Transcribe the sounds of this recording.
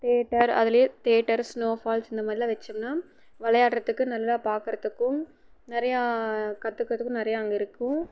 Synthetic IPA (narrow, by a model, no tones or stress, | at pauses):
t̪eːʈːɐɾɐ̰ðɪlɐjet̪eːʈːɐɾsnoːfaːlsɪnd̪ɐmaːd̪ɾɪlɐʋɛt͡ʃːɐmnaː | ʋɐlɐjaːʈɾɐt̪ːɯkːɯnɐlːɐlaːpaːɾkɯɾɐt̪ːɯkːʊ̃ | nɪɾɐjakɐt̪ːɯkːɾɐt̪ɯkːʊ̃nɪɾɐjaɐŋɡɐɪɾɯkːʊ̃